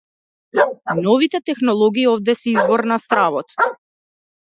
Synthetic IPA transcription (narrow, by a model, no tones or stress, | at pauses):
nɔvit̪ɛt̪ɛxnɔlˠɔɡiːɔvd̪ɛsɛizvɔɾnast̪ɾavɔt̪